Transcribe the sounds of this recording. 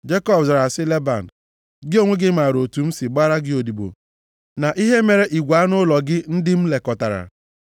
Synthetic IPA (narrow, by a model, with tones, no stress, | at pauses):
d͡ʒe˦kɔ˦bza˨ɾa˨sɪ˦le˦ba̰˨n̩˨ | ɡɪ˦o˦ŋʷe˦ɡɪ˦ma˨ɾo˨tu˨m̩˦sɪ˨ɡ͡ba˦ɾa˦ɡɪ˦o˨di˨bo̰˨ | na˨ʔi˦ɦe˦me˨ɾe˦ʔi˨ɡʷa˨˦nʊ˦lɔ˨ɡɪ˦n̩˦dɪ˦m̩˦le˨kɔ˨ta˨ɾa̰˨